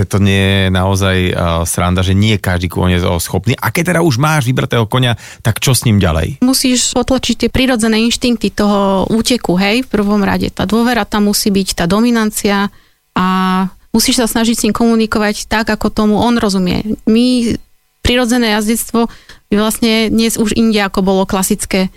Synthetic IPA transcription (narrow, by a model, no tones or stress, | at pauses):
ɛt̪ɔɲɪɛjɛɛnaɔzajsɾa̰nd̪aʒɛɲɪɛjɛkaʒd̪iːkɔ̰ɲɛd͡zsxɔpniːʔa̰kɛc̚t̪ːɛd̪auʒmaːʒʋibɾa̰t̪ɛːɦɔkɔɲa | t̪akt͡ʃɔsɲiːmɟa̰lɛ̰jmusiːʃpɔt̪lat͡ʃic̚t̪ɪɛpɾiɾɔd͡zɛnɛːinʃt̪iŋk̚t̪it̪ɔɦɔuːcɛkuɦɛjfpr̩ʋɔmɾa̰ɟɛ̰t̪a̰ːd̪ʊɔʋɛɾat̪amːusiːbict̪aːd̪ɔminant͡sia | ʔamusiːʃsasnaʒicsɲimkɔmunikɔʋact̪aɡakɔt̪ɔmuʔɔnɾɔzumɪɛ̰mi | pɾiɾɔd͡zɛnɛːjazɟɛt͡st̪ʋɔiʋlasɲɛd̪ɲɛzuʒiɲɟɛakɔbɔlɔklasit͡skɛː